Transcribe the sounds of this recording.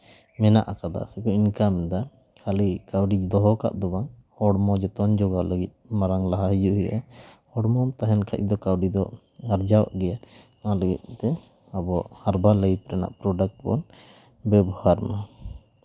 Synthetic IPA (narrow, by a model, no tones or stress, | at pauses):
mɛna̰ʔakad̪a̰sɛkɔinkamd̪a | kʰalikawɖid̪ɔɦɔka̰ʔd̪ɔbaŋhɔɽmɔd͡ʒɔt̪ɔnd͡ʒɔɡaləɡit̪̚maɾaŋlaɦaɦijuʔɦɛʔahɔɽmɔmt̪aɦɛnkʰac̪̚d̪ɔkawɖid̪ɔ | aɾd͡ʒaw̰ʔɡɛja | aləɡḭt̪̚ˀt̪ɛ | abɔhaɾbaləipɾɛna̰ʔpɾɔɖak̚ʈ̚bɔ̰n | bɛbɔhaɾma